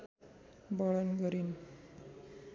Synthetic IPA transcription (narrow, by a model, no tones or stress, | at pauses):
bɔɭənɡəɾiːn